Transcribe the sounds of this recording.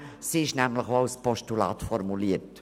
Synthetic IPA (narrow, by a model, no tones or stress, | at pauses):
siɪʃnɛmləχoaʊspɔʃtulɑ̰ːt̪fɔrmuliːəɾt